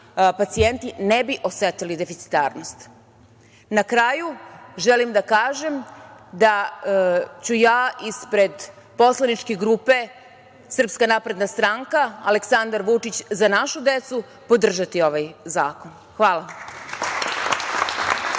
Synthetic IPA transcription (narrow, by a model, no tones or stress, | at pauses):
pat̪sije̞nt̪inebiʔo̞set̪ilid̪efit̪si̥t̪aːɾno̞st̪ | nakɾajuʒelimd̪akaːʒe̞md̪a | t͡ɕujaːispɾe̞d̪ | po̞slˠanit͡ʃkeɡɾuːpe̞ | sr̩pskanapɾe̞d̪nast̪ɾaŋkaale̞ksand̪aɾʋut͡ʂit͡ɕzanaʃud̪e̞t̪su | po̞d̪r̩ʒat̪io̞ʋajzaːko̞n | xʋaːlˠa